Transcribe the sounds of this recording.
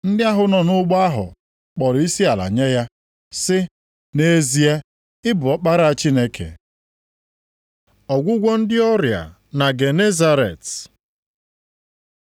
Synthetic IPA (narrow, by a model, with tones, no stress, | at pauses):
n̩˦dɪ˦a˦ɦʊ˨nɔ˨nʊ˦ɡ͡bɔ˦a˦ɦʊ̰˨ | k͡pɔ˨ɾi˦si˦a˨la̰˨ɲe˦ja˦ | sɪ˦ | ne˦zi˦a˦ | ɪ˦bʊ˨ɔ˦k͡pa˦ɾa˦a˨t͡ʃi˦ne˦kʰḛ˨ | ɔ˨ɡʷʊ˦ɡʷɔ˦n̩˦dɪ˦ɔ˦ɾja̰˨ | na˨ɡe˨ne˦za˦ɾḛ˨t